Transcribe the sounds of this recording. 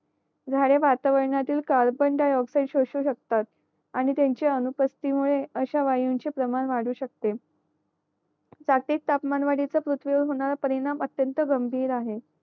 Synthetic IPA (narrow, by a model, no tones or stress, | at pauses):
d͡zʱaɽeʋat̪aʋəɾɳjat̪iːlkaɾbəɳɖajɔksaiʈɕoɕuːɕək̚t̪at̪̚ | aɽ̃it̪jaɲt͡ɕeənupəst̪imuɭeəɕaʋajuɲt͡ɕepɾəmanʋaɽuːɕək̚t̪e | d͡zaʈiːk̚t̪apmanʋaɽit͡səpɾut̪ʰʋioɦoɳ̃aɾapəɾiɽ̃amət̪jənt̪əɡəmbʱiːɾaɦe